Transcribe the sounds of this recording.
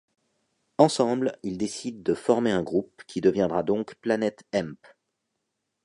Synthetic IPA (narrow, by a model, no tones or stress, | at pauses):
ɑ̃sɑ̃blild̪esid̪ːəfɔʁmeɛ̃ɡʁup̚kʲʰid̪əvjɛ̃d̪ʁad̪ɔ̃kplanɛt̪ɛ̃mp